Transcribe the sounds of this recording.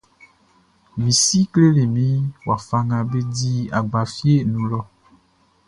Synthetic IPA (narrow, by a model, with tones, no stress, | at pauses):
mĩ˨si˦kle˦le˨mĩ˦wa˨fa˦ŋã˨be˦di˦a˨ɡ͡ba˨fi˦e˦nũ˨lɔ˦˨